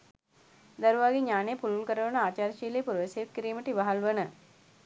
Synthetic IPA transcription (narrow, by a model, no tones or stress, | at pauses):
d̪ɐɾuʋaːɡeɲaːnejəpululkəɾəʋənəaːt͡ʃaːɾʃiːlejːpuɾʋeseːp̚kiɾiːməʈiʋaɦalʋənə